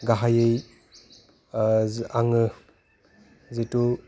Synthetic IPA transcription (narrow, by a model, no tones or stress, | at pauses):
ɡaɦajɯj | aŋɯ | zetu